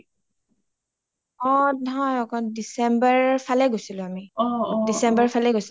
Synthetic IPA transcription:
ɔɦɔjɔkɔdisɛmbaɹpʰalɛɡojsilʊ̃amidisɛmbaɹpʰalɛɡojsi

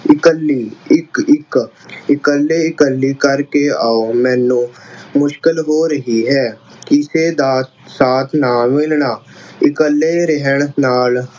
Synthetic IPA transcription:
ɪkəlːiːɪkɪkɪkəlːeɪkəlːiːkəɾkeaːomɛ̃ːnũːmʊʃkɪlɦoːɾəɦiɦɛːkiseːd̪aːs | saːt̪ʰnaːmɪlnaː | ɪkəlːeɾɛɦəɳnaːl

